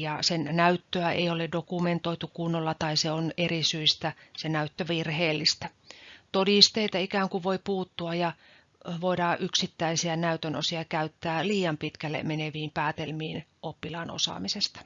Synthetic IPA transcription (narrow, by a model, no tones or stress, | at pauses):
jɑsennæyt̪ːøæḛioledokument̪oit̪ukunːolːɑt̪ɑiseonerisyist̪æsenæyt̪ːøʋirheːlːist̪æt̪odist̪eit̪ɑikæːŋkuʋoipuːt̪ːuɑjjɑ | ʋoidɑːʔyksit̪ːæisiænæyt̪øno̰siɑkæyt̪ːæːliːjɑmpit̪kælːḛmeneʋiːmpæːt̪elmiːnʔopːilɑːno̰sɑ̰ːmisest̪ɑ̥